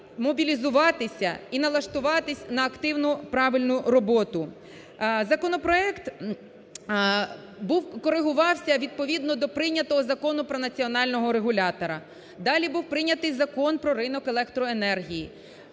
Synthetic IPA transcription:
mɔbʲilʲizʊʋɑt̪ɪsʲɐinɐlˠɐʃt̪ʊʋɑt̪ɪsʲnɐːkt̪ɪwnʊpɾɑʋɪlʲnʊɾɔbɔt̪ʊ | zɐkɔnɔpɾɔɛkt̪ | buwkɔɾɪɦʊʋɑwsʲɐʋʲid̪̚pɔʋʲid̪nɔd̪ɔpɾɪnʲɐt̪ɔɦɔzɐkɔnʊpɾɔnɐt͡sʲiɔnɑlʲnɔɦɔɾeɦʊlʲɑt̪ɔɾɐ | d̪ɑlʲibuwpɾɪnʲːɐt̪ɪjzɐkɔnpɾɔɾɪnɔkelˠɛkt̪ɾɔenɛrɦʲiji

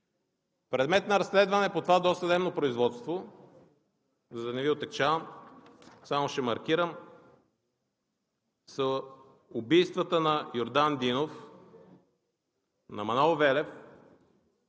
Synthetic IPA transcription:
pɾɛd̪mɛt̪nɐɾɐsːlɛd̪vɐnɛpot̪ovad̪ɔst̪ɐzɛmnopɾoizvɔt̪st̪vo | zd̪ɐnɛviot̪ɛkt͡ʃavəm | samoʃɛmɐɾk̟iɾəm | sə | ʊbijst̪vət̪ənɐjoɾd̪and̪inof | nɐmɐnalˠvɛlɛf

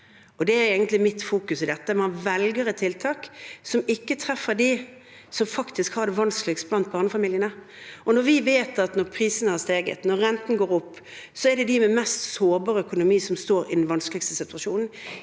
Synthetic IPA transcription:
ɔd̪ɛæɾeːɡənt̪lɪmɪt̪fuːkʉsɪd̪ɛt̪ːəmɛhɑnʋɛlɡəɾət̪ʰːɪlt̪ʰɑːksɔmɪkːət̪ʰɾɛfːəɾd̪i | sɔmfɑkt̪ɪskhɑːɾd̪ɛʋɑnsklɪkst̪blɑnt̪̚bɑːʁnəfɑmiːljənə | ʔɔnɔɾʋɪʋeːt̪ɑt̪nɔɾpʰɾiːsənəhɑɾst̪eːɡə̰t̪nɔɾːɛnt̪n̩ɡoːɾɔpː | sɔæd̪ɛd̪ɪmɛmɛst̪soːɾbɑːɾəœkʊnʊmiːsɔmst̪oːɾɪd̪nʋɑnskəlɪkst̪əsɪt̪ʉɑʃuːnn̩

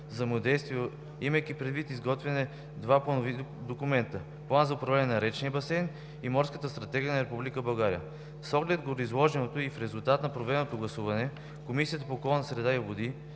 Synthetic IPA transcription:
zɐjmod̪ɛjst̪vio | iməjk̟ipɾɛd̪vit̪izɡɔt̪vɛnɛ | d̪vaplˠɐnovid̪okʊmɛnt̪ə | plˠanzɐʊpɾɐvlɛnɛnɐɾɛt͡ʃnijəbɐsɛn | imɔɾskət̪əst̪ɾɐt̪ɛɡʲijənɐɾɛpublikəbɐlˠɡaɾiə̰ | sɔɡlɛt̪̚ɡoɾizlˠɔʒɛnot̪oifɾɛzulˠt̪at̪nɐpɾovɛnot̪oɡlˠɐsuvɐnɛ | komisijət̪əpoːkɔlˠnəsɾɛd̪aiobod̪i

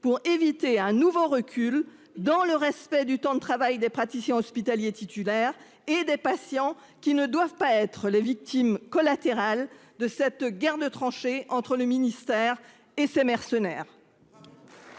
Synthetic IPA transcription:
puʁevit̪eɛ̃nuvoʁəkʲʰyl | d̪ɑ̃ləʁɛspɛd̪yt̪ɑ̃d̪ət̪χavajd̪epχat̪isjɛ̃ɔspit̪aljet̪it̪ylɛʁ | ed̪epasjɑ̃ | kʲinəd̪wavpaɛt̪χəlevik̚t̪imkɔlat̪eʁald̪əsɛt̪ɡʲaʁd̪ət̪χɑ̃ʃeɑ̃t̪χələminist̪ɛːʁ | esemɛʁsənɛːʁ

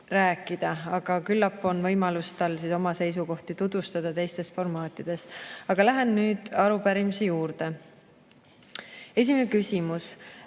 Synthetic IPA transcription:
ræːkːˑid̪̥ɑɑɡ̥ɑkylːɑpːˑo̞nvɤjmɑlust̪ɑlsiːso̞mɑse̞js̬uko̞ht̪it̪ud̪̥vust̪ɑd̪̥ɑt̪e̞jst̪e̞sfo̞rmɑːt̪ːˑid̪̥e̞st̪ɑɡ̥ɑlæɦennyːd̪̥ɑɾupæɾimisejuːɾd̪̥e̞ | e̞s̬ʲimenekysʲimus

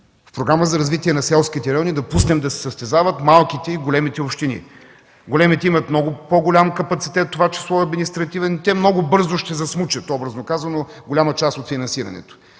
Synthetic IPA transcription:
fpɾoɡɾaməzɐɾɐzvit̪iɛnɐsɛlˠsk̟it̪ɛɾɛɔnid̪ɐpusnɛmd̪ɐsɛ̥sɐst̪ɛzavət̪malˠkit̪ɛiɡolʲɛmit̪ɛopʃt̪inḭ | ɡolɛmit̪ɛimɐt̪mnɔɡʊpoɡolʲamkɐpɐt̪si̥t̪ɛt̪ːovat͡ʃi̥slˠɔɐd̪minist̪ɾɐt̪ivɛnit̪ɛmnoɡʊbɤɾzʊʃt̪ɛzɐsmut͡ʃɐt̪ɔbɾɐznokazvɐnoɡolʲamɐt͡ʃast̪ot̪finɐnsiɾɐ̰nɛ̰t̪o̥

